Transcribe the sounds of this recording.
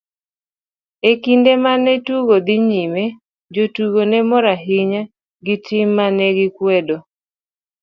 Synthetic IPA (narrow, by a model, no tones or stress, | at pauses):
ekindemanɛtuɡod̪ɪɲime | d͡ʒotuɡonɛmɔɾaɦɪɲa | ɡitɪmːanɛɡɪkwɛdo